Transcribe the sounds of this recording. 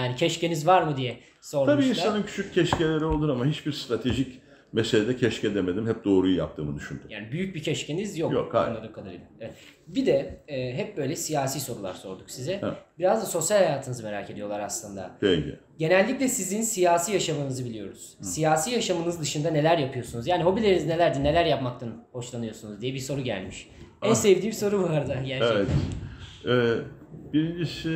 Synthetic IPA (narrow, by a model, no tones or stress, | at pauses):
jaːnicʰɛʃce̞nizvaɾmɯd̪ijɛ | so̞ɾmʰambiːʃiinssanɯncʰy̥t͡ʃʰyc̚cʰːɛʃcelʲeɾiolˠd̪uɾamaɦit͡ʃbiɾst̪ɾat̪ʰeʒic | meselʲed̪ɛcʰɛʃcɛd̪eme̞d̪imhɛp̚d̪o̞ːɾujuja̰p̚t̪ʰɯ̰ːmɯd̪yʃynd̪yjaːnibyjyc̚bicʰɛʃcʰe̞nizjokjo̰kbunːˠaɾukʰad̪aɾḭlʲˠaevɛt̪bid̪ɛːɦɛp̚bø̞jlʲɛsijaːsiːso̞ɾulˠa̰ɾso̞ɾd̪uksizɛbiɾazd̪aso̞sjalʲhajaːt̪ʰɯnɯzɯme̞ɾaːcʰe̞d̪ijo̞lˠaɾaslˠɯnd̪a̰ɛḭ | ɟe̞nælʲːiclʲɛsizinsijaːsiːjaʃamɯnɯzɯbilʲijo̞ɾuz̥sijaːsiːjaʃamɯnɯzd̪ɯʃɯnd̪ane̞lʲæɾjapʰɯjo̞sunuzjaːniɦo̞bilʲeɾinizine̞lʲæɾd̪ine̞lʲæɾjapmak̚t̪ʰanho̞ʃlˠanɯjo̞sunuzd̪ijɛbiso̞ɾuɟæ̰lʲmiʃ | ænsevd̪iːmso̞ɾuvaɾd̪ɯɟæɾɛvɛt̪ | ɛːb̥iɾind͡ʒiʃ